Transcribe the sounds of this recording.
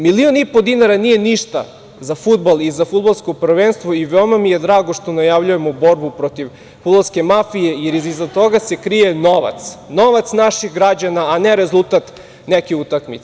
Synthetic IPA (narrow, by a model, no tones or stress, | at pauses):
milionipo̞d̪inaɾanije̞niʃt̪a̰ | zafud̪̚balˠizafud̪̚balˠsko̞pr̩ʋenst̪ʋoiʋeomamije̞d̪ɾaːɡoʃt̪o̞najaʋʎujemobo̞ɾbupɾot̪iʋ | fud̪balˠske̞mafije̞jeɾiizat̪o̞ɡase̞kɾije̞noʋa̰t̪sno̞ʋat̪snaʃixɡɾad͡ʑanaːneɾezulˠt̪at̪ | nekiut̪akmḭt̪se